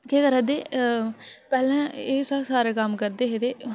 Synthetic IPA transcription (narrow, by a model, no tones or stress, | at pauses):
keːkəɾəd̪eː | pɛːlɛ̃ːeːsəksaːɾeːkəmkəɾd̪eːɦed̪eː